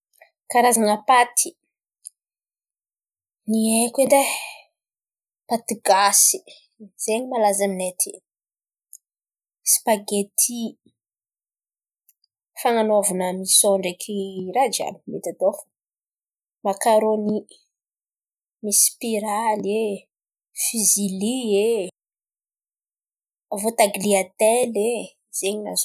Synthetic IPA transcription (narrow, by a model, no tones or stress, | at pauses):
kaɾazaŋəpat̪ʰi̥ | niekend̪e | pat̪iɡasi | z̥eɲimalazaminet̪ʰi̥ | spaɡet̪ʰi | faŋanovanəmisoɳɖ͡ʐekʰiɾad͡ʒa̰ni̥met̪at̪of | makaɾoni | mispiɾale | fizilie | vot̪aɡliat̪ele | z̥eɲina̰zo